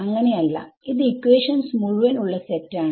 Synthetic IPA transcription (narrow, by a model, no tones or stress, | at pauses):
ɐŋːɐne̞ɐlːɐ̰iðɨikːuweːʂɐnsmuɻuʋɐnuɭːɐsetːaːɳ